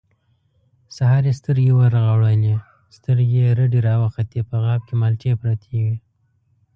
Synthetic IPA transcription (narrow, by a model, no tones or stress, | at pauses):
saɦɑɾest̪əɾjewaɾɣaɽane | st̪əɾjeɾəɖiɾɑwaxat̪epəɣɑb̚kemɑlt͡ʃepɾɑt̪ʰeɡi